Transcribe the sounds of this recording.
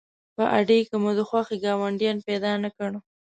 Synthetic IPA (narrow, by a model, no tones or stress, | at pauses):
pəʔaɖekəmod̪əxwaxeɡɑwaɳɖjɑnpɛd̪ɑnakəɽ